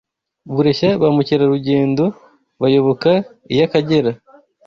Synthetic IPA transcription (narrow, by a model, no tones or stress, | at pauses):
βuɾe̞ʃaβamuciɾaɾuɟe̞ːndo̞ | βajo̞βo̞ka | ijakaɟe̞ɾa